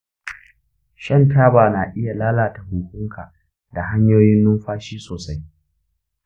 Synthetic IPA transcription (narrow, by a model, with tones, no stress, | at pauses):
ʃɐ˦˨ntaː˦baː˨naː˨ʔɪ˦ja˨laː˦laː˨ta˨hʊː˨kʷʊ˦ŋkʰa˨ | da˨ɦa˦ɲjoː˦jɪ˦nːʊ˦mɸaː˦ʃiː˦soː˨sa˦j